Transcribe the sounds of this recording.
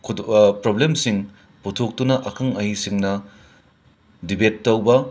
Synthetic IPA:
kʰpɾoblemsiŋ | putʰok̚tunɐʔɐkʰɐŋɐɦisiŋnɐ | dibetːɐwbɐ

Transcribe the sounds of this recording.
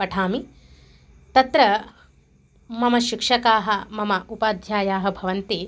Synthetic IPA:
ɐʈʰaːmi | t̪ɐt̪ɾɐ | mɐmɐʃikʂɐkaːɦɐ̆mɐmɐʔupaːd̪ʱjaːjaːɦɐ̆bʱɐʋɐnt̪eː

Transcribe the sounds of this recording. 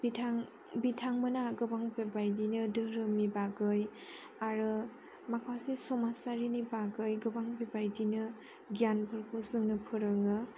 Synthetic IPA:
bitʰaŋ | bitʰaŋmɯnaɡɯbaŋbebajdinɯdɯɾɯmibaɡɯj | aɾɯ | makʰasisɔmasaɾinibaɡɯjɡɯbaŋbebajdinɯ | ɡjanpʰɯɾkʰosɯŋnɯpʰɯɾɯŋɯ

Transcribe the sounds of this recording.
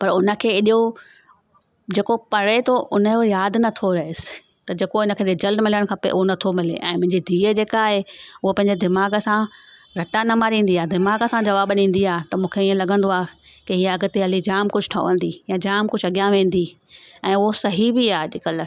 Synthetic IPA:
pɐɾʊnə̆kʰeːɪɗo | d͡ʑeːkopɐɽet̪ʰoʔʊnəojaːd̪nɐt̪ʰoɾɐɦɪsɪ̥ | t̪ɐd͡ʑeːkoɪnə̆kʰeːed͡ʑɐlɖmɪləɽ̃kʰɐpḛʔʊɦonɐt̪ʰomɪlḛʔɛ̃ːmʊ̃ɦɪ̃ɲd͡ʑid̪ʱiːəd͡ʑeːkaːɦeʊɦopɐ̃ɦɪ̃ɲd͡ʑed̪ɪmaːɡəsãɾɐʈanɐmaːɾĩːn̆d̪iaːɦd̪ɪmaːɡəsãd͡ʑɐʋaːbnĩːn̆d̪iaːɦt̪ɐmũːkʰeiə̃lɐɡʱə̃nd̪oaːkeɦiːɐɡ̆t̪eɦɐlid͡ʑaːmkʊd͡ʑʱʈʰɐ̰ʋə̰̃n̆d̪ijãd͡ʑaːmkʊd͡ʑʱɐɠijãʋẽːn̆d̪i | ɛ̃ːʊɦosɐɦibiaːɦɗɪkəl

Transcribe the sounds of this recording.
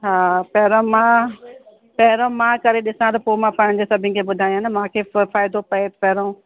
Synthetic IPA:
ɦaːpɛːɾõmã | pɛɦɾõmãkɐɾeɗɪsãt̪ɐpomãpɐ̃ɽ̃d͡ʑesɐbʱɪ̃nkʰeɓʊd̪ʱaːjãnəmãkʰefaːjd̪ʱopɐet̪pɛːɾõː

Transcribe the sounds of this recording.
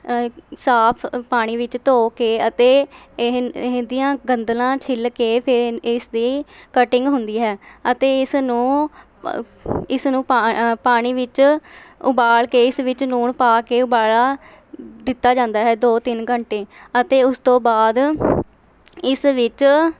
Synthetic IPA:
saːpʰpaːɽ̃iːʋɪt͡ʃt̪oːkeːət̪eː | ɦɦd̪ijãːɡənd̪lãːt͡ʃʰɪlkeːpʰɪɾɪsd̪iːkəʈɪ̃ŋɡɦʊnd̪iːɦɛːət̪eːɪsnũː | ɪsnũːpapaːɽ̃iːʋɪt͡ʃʊ̰baːɭkeːɪsʋɪt͡ʃnuːɳpaːkeːʊbaːɭaː | d̪ɪt̪ːaːd͡ʒãːnd̪aːɦɛːd̪oːt̪ɪnɡəɳʈeːət̪eːʊst̪õːbaːd̪ | ɪsʋɪt͡ʃ

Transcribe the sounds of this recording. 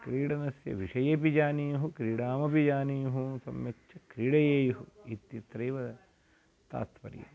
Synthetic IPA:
kɾiːɽɐnɐsjɐ̰ʋiʂɐjeːpid͡ʒaːnijuɦukɾiːɽaːmɐpid͡ʒaːnijuɦusɐ̰mjɐkt͡ʃʰɐkɾiːɽɐjeːjɐɦuit̪jit̪ɾɐjʋɐ | t̪a̰ːt̪ʋɐ̰ɾḭjɐ̰

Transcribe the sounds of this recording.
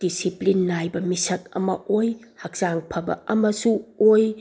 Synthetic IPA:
d̥isiplinːajbɐmisɐk̚ɐ̰mɐ̰ʔoj | hɐk̚z̥aŋpʰɐbɐ̰ɐmɐsuoj

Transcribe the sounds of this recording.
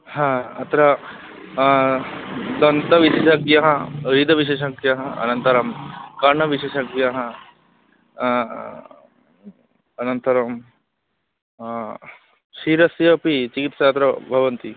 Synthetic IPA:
hãːɐt̪ɾɐ | d̪ɐnt̪ɐʋiʃeːʃɐɡjɐɦɐɾiːd̪ɐʋiʃeːʃɐɡjɐɦɐɐ̰nɐnt̪ɐɾɐmkɐɾɳɐʋiʃeːʃɐɡjaɦɐ | ɐnɐnt̪ɐɾɐm | ʃiːɾɐsjɐɐpit͡ʃikit̪saːt̪ɾɐbʱɐʋɐnt̪i

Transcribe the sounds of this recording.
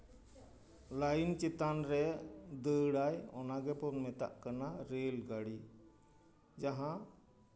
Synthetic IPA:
lajnt͡ʃit̪anɾɛd̪əɽajɔnaɡɛpɔnmɛt̪a̰ʔkanaɾelɡaɽi | d͡ʒaɦã

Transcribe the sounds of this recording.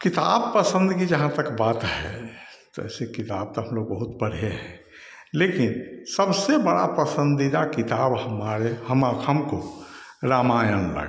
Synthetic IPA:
kɪt̪a̰ːb̚pəsə̃nd̪kid͡ʒəɦãt̪əkbaːt̪ɦɛ | t̪oɛ̰ːsekɪt̪aːb̚t̪oɦə̃mloːɡbəɦʊt̪bəɽ̤ijeɦɛ̃ | leːkɪnsəbsebəɽa̰pəsə̃nd̪id̪akɪt̪aːbhəmaɾehəmaːkʰəmkoɾaːmaːjənlə̰ɡ

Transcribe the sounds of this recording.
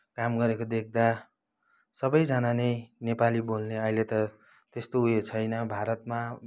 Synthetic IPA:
kamɡʌɾekod̪ek̚ʰd̪a | sʌbʌjd͡zʌnanʌjnepalibolneʌɦilet̪ʌ | t̪est̪oujet͡sʰʌjnʌbʱaɾʌt̪ma

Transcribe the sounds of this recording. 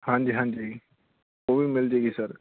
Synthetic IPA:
hãːɲd͡ʒiːɦãːɲd͡ʒi | oːbʱimɪld͡ʒeːɡisəɾ

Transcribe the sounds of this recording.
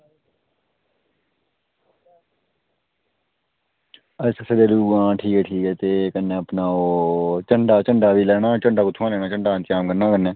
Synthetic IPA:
əɪsəseːd̪eːluːɡãːʈʰiːkɛːʈʰiːkɛːt̪eːkənːẽːəpnaːoːt͡ʃəɳɖaːt͡ʃəɳɖaːʋiːlɛːɽ̃aːt͡ʃəɳɖaːkʊt̪ʰːãːlɛːɽ̃aːt͡ʃəɳɖaːnt͡ʃaːmkəɾnaːkəɾnɛː

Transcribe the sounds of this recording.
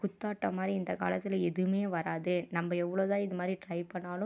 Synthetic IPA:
kʊt̪ːaːʈːɐmaːd̪ɾiɪnd̪ɐka̰ːlɐt̪ːɪlɛðɯmeːʋɐɾaːðɯnɐmbɐɛʋːɐɭoːt̪ãːɪðɯmaːd̪ɾiʈɾɐɪpɐɳːaːlɯ

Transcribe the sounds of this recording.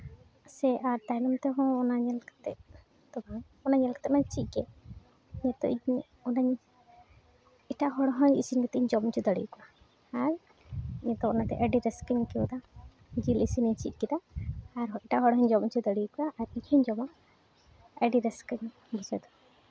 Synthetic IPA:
sɛʔaɾt̪ajnɔmt̪ɛɦɔ̃ɔnaɲɛlkḁt̪ɛ | t̪ɔban | ɔnaɲɛlkt̪ɛmaɲt͡ʃic̪̚ɡɛ | ɲɛt̪ɔ̰ʔiɲ | ɔnaɲ | iʈaɦɔɽɔɦɔɲisinɡɛt̪ɛiɲd͡ʒɔmt͡ʃud̪əɽḭjkuʔaː | ɾ | ɲɛt̪ɔɔnat̪ɛ̰ʔəɖiɾɛskiŋkɛwd̪a | d͡ʒilisiniɲt͡ʃḭt̪̚ɡid̪aːɾiʈaɦɔɽɦɔɲd͡ʒɔmt͡ʃʰud̪əɽikuaːɾiɲhɔɲd͡ʒɔma | əɖiɾɛskiɲ | bɔsɛd̪ɔ

